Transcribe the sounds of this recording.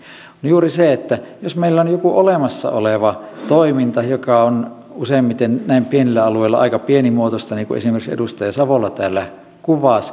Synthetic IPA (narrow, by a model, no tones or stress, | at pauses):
onjuːriseet̪ːæjosmeilːæonjokuʔolemɑsːɑ̰o̰leʋɑt̪oimint̪ɑjokɑon | useˑimːit̪ennæˑimpienilːæɑlueˑilːɑ̰ɑ̰ikɑpienimuot̪ost̪ɑniːŋkṵʔḛsimerksḛdust̪ɑjɑsɑʋolːɑt̪æːlːæ | kuʋɑˑs